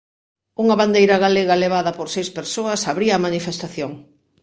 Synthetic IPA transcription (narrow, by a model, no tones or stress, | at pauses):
uŋɐβand̪ejɾɐɣaleɣɐleβ̞aðɐpoɾsejspeɾsoɐsaβɾiɐːmanifest̪aθjoŋ